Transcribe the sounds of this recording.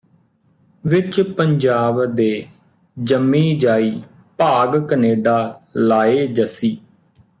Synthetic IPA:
ʋɪt͡ʃpəɲd͡ʒaːbd̪eː | d͡ʒəmːiːd͡ʒaːiː | paːɡkəneːɖaːlaːeːd͡ʒəsiː

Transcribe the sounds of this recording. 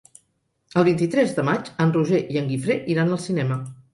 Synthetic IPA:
əlˠβ̞int̪it̪ɾɛzðəmat͡ʃənruʒeʔiəŋɡifɾeʔiɾanəlˠsinɛmə

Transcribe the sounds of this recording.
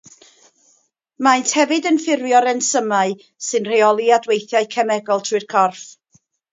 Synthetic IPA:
maɨntʰhɛvɨdənfɪrjɔɾɛnsəmaɨ | sɨnr̥ejɔlˠiadwejθjaɨkʰɛmɛɡɔlˠtʰɨr̥kʰɔrf

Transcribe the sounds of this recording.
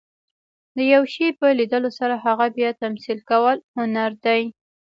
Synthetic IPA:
d̪əjawʃepəlid̪əlosaɾaɦaɣabjɑt̪amsilkawəlhʊnaɾd̪aj

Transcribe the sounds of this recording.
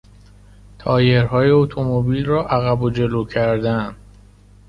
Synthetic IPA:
t̪ʰɒːje̞ɾɦɒːjeot̪ʰo̞mobiːlrɒːʔæɣæbod͡ʒe̞loːcʰæɾd̪ænd̪

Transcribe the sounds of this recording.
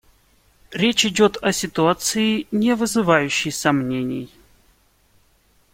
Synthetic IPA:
ɾʲet͡ɕɪdʲot̪ʰɐsʲɪt̪ʊat̪sɨɪnʲɪvɨzɨvajʉɕːɪjsɐmnʲenʲɪ̰j

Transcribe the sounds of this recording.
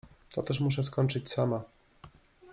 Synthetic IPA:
t̪ɔt̪ɛʂmuʂ̬ɛskɔɲt͡ʂɘt͡ɕsama

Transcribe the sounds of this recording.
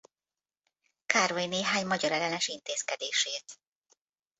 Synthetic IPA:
kaːrojineːɦaːɲmɒɟɒɾɛlɛnɛʃint̪eːskɛd̪eːʃeːt̪

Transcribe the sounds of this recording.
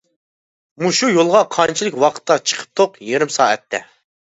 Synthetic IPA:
muʃujolˠʁɑqʰɑnt͡ʃʰilˠɪkʲwɑqʰə̥t̪ːɑt͡ʃʰə̥qʰə̥p̚t̪ʰoqjiɾɪmsɑːɛ̰t̪ʰːɛ̰

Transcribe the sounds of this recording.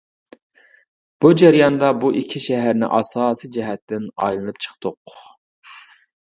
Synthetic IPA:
b̥ud͡ʒɛɾjɑnd̪ɑbuʔikʲʰiʃɛɦæɾnɪ̰ʔɑ̰sɑːsijd͡ʒɛɦɛt̪ːɪnɑ̰jlˠɨnɨp̚t͡ʃʰə̥χt̪ʰʊq

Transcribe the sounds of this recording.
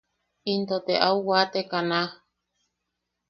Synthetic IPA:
int̪ot̪eʔauwat̪ekanã

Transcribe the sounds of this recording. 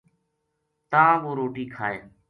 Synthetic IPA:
t̪ãːʋoːɾoːʈiːkʰaːeː

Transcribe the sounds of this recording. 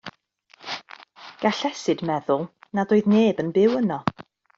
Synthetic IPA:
ɡ̥aɬɛsɨdmɛðʊlˠnadoːɨðneːbənbɪwənɔ

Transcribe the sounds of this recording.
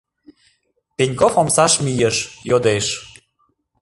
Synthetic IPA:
penʲkofomsɑʃmijəʃjod̪eʃ

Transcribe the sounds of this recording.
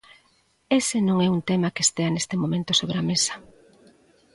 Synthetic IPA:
esɪnõŋɛunt̪ɛmakest̪eanest̪emõmẽnt̪osoβɾeamesɐ̥

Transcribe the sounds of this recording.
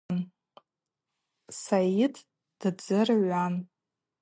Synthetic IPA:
n | sajitʰ | d̥ɨd͡zɨrʕʷan

